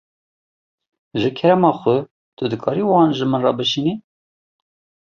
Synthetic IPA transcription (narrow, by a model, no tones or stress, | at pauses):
ʒɨkʰɛɾɛmɑːxʷʊ | t̪ʊd̪ɨkʰɑːɾiwɑːnʒɨmɨnrɑbɨʃini